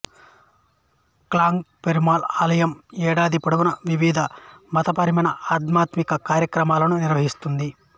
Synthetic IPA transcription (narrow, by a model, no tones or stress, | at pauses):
klaːŋɡpeɾimaːlaːlɐjɐmɛːɽaːd̪ipɐɽɐʋunɐʋiʋiːd̪ʱɐmɐt̪ɐpɐɾimɐnɐaːt̪maːt̪mikɐkaːɾjɐkɾɐmaːlɐnuniɾʋɐɦist̪und̪i